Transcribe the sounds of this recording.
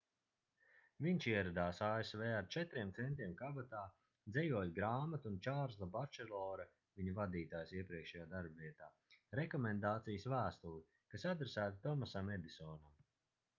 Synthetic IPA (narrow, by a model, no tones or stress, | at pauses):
viɲʲʃiɛɾad̪aːsaːesveːaɾt͡ʃɛt̪ɾiɛmt̪sɛnt̪ɾiɛmkabat̪aː | d̪zɛjuɔjɡɾaːmat̪unt͡ʃaːɾzlˠabaɾt͡ʃɛlˠɔːɾɐ | vʲiɲuvad̪iːt̪aːjsiɛpɾiɛkʃɛjaːd̪aɾbviɛt̪aː | ɾɛkɔmɛnd̪aːt̪sijəsvæːst̪ulˠi | kasad̪ɾesæːt̪at̪ɔmasamɛd̪isɔːnam